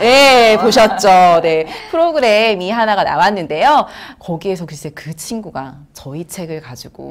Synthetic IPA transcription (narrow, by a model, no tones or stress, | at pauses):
je̞poɕʰʌt̚t͡ɕ͈one̞pʰɯɾoɡɯɾe̞miɦanaɡana̰wanːɯnde̞jokʌɡie̞sʰʌkɯɾɯɕisekɯt͡ɕʰinɡuɡa | t͡ɕʌit͡ɕʰe̞ɡɯɭkad͡ʑiɡ̥o̰